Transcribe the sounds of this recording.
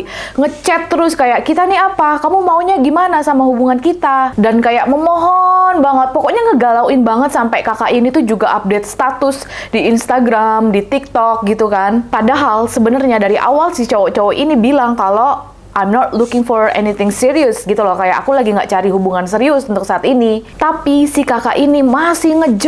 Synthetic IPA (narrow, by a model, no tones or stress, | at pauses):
ŋət͡ʃɛt̪ːəɾʊskajaʔkit̪aniapakamumauɲaɡimanasamaɦubuŋankit̪adankajaʔməmɔɦɔnbaŋət̪̚pɔkɔʔɲaŋəɡalawɪnbaŋət̪sampajkakaʔinit̪ud͡ʒuɡaʔap̚det̪̚st̪at̪ʊs | diːnst̪aɡɾamdit̪ik̚t̪ɔk̚ɡit̪ukanpadaɦalsəbənərɲadaɾiʔa̰walsɪht͡ʃowɔt͡ʃɔwɔʔinibilaŋkalo | ʔajmnɔt̪lukɪŋfɔɾɛ̰nit̪ɪŋsiɾiʊsɡit̪ulakaja̰ʔakulaɡiŋɡa̰ʔt͡ʃaɾiɦubuŋans̬əɾiʊsunt̪ʊk̚saːt̪init̪apisɪhkaka̰ʔinimasɪhŋəd͡ʒ